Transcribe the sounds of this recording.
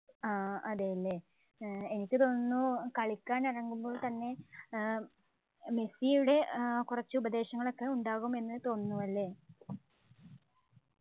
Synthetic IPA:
aːɐðeɐlːe | enikʲːɨt̪o̞ːnnːukɐɭikʲːaːnirɐŋɡumbo̞ːɭt̪ɐnːe̞ | me̞sijuɽe̞kurɐt͡ɕːɨubɐd̪e̞ːɕɐŋːɐɭo̞kːe̞uɳɖaːɣume̞nːɨt̪o̞ːnːuʋɐlːe̞ː

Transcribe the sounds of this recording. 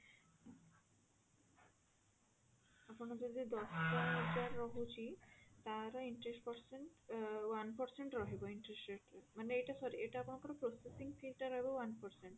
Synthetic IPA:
aponad͡ʒod̪id̪ɔstaed͡ʒaɾːɔɦut͡ɕʰit̪aɾaiɳʈɾesʈpɔɾseɳʈwanpɔɾseɳʈɾɔɦiboiɳʈɾesʈɾeʈmaneejʈasɔɾieʈaaponakoɾopɾosesiŋfʰilʈaɾːɔɦebowanpɔɾseɳʈ

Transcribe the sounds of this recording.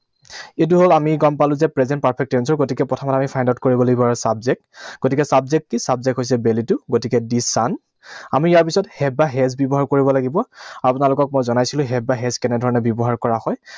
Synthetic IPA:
et̬uɦolamiɡɔmpalʊ̃zɛpɹɛzɛnt̚paɹpʰɛk̚tːensɔɹɡotikɛpɔtʰɔmɔtamipʰajndaʊt̚koɹibɔlaɡibɔaɹusabzɛk̚tɡ̥otikɛsabzɛk̚tkisabzɛkɦojs̬ɛbelitʊɡotikɛdisan | amijaɹp̬isɔthɛbːaɦɛzbɔbɔɦaɹkoɹibɔlaɡibɔapʊnalʊkɔk̚mojzɔnajsilʊ̃ɦɛbaɦɛzkɛnɛdʱɔɹɔnɛbjɔbɔɦaɹkɔɹahɔj

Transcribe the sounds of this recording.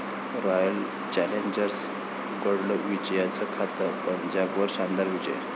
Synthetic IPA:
ɾɔjəl | t͡ɕɛleɲd͡ʑəɾs | kəɽləʋid͡ʑjat͡səkʰat̪əpənd͡ʑaɡʋəɾɕand̪aɾʋid͡ʑə̰jə̰

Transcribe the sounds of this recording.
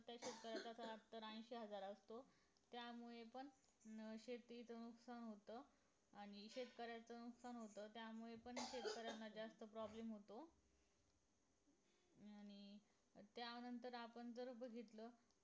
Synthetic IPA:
t̪jaɕet̪̚kəɾjat͡s̪asʰəat̪əɾãj̃ɕeɦəd͡zaɾəst̪o | t̪jamuɭepəɳ | ɕet̪it͡sənuksanɦot̪ə | aɽ̃iɕet̪kəɾjat͡sənuksanɦot̪ət̪jamuɭepəɳɕet̪kəɾjanːad͡zast̪əpɾɔblemɦot̪o | aɽ̃i | t̪janənt̪əɾapəɳd͡zəɾbəɡʱit̪lə

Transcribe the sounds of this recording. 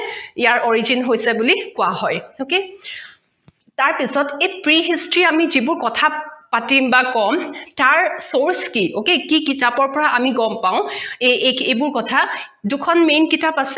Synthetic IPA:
ijaɹʔɔɹizinɦojsɛbulikʊahɔjoke | taɹpisɔtejpɹiɦistɹiamizibʊɹkɔtʰapatimbakɔmtaɹsoɹskiokekikitapɔɹpɔɹaʔamiɡɔmpaʊ̃eebʊɹkɔtʰa | dʊkʰɔnmenkitapasɛ

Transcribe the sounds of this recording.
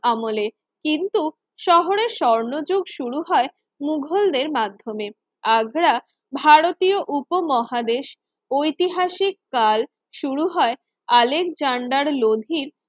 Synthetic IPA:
amole | kint̪u | ʃɔɦoɾeʃɔɾnod͡ʑoɡʃuɽuɦɔe | muɡʱold̪eɾmad̪ʱːome | aɡɾa | bʱaɾot̪ijoʔupomɔɦad̪eʃ | ojt̪iɦaʃikːal | ʃuɾuɦɔe | alekd͡ʑaɳɖaɾlod̪ʱiɾ

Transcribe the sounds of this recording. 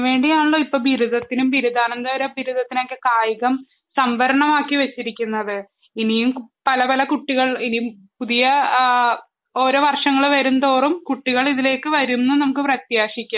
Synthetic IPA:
ʋe̞ːɳɖijaːɳuɭːoːipːoːbiɾuðʱɐt̪ːinumbiɾud̪aːnɐnd̪aːʋɐɾebʱiɾud̪ɐt̪ːinoːkːɨkaːjiɣɐm | sɐmʋɐɾɐɳɐmaːkːiʋet͡ɕːiɾikʲːunːɐðɨ | inijumpɐlɐpɐlɐkuʈːiɣɐɭinijumpuðijɐ | o̞ːɾo̞ːʋɐrʂɐŋːɐɭʋɐɾunt̪oːrumkuʈːiɣɐɭiðile̞ːkːɨʋɐɾumnːɨnɐmukːɨprɐt̪jaːʂikʲːa

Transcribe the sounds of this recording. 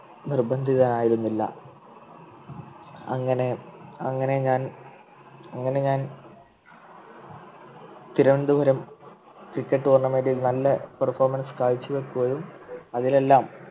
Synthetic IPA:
nirbɐnd̪ʱiðaːnaːjiɾunːilːɐ̰ | ɐ̰ŋːɐne̞ɐŋːɐne̞ɲaːn | ɐŋːɐne̞ɲaːn | t̪iɾɐʋend̪ubʱɐɾɐm | krikʲːeʈːɨorɳːɐmeːɖilnɐlːɐpɐrfoːrmɐnskaːjit͡ɕːuʋe̞kːuɣɐðumɐðile̞lːaːm

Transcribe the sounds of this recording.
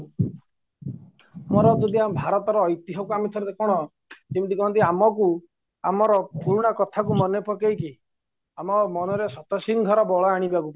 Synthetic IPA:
mɔɾɔd͡ʒɔd̪iamɔbʱaɾɔt̪ɔɾɔːjt̪iɦɔkuamit̪ʰɔɾd̪ekɔɽ̃ɔ | imt̪ikɔɔnt̪̬iamɔk̬u | amɔɾɔpuɭuɽ̃akɔt̪ʰakumɔnepʰɔkejki | amɔmɔnɔɾesɔt̪ɔsiŋɡʱɔɾɔbɔɭɔaɽ̃ibakup

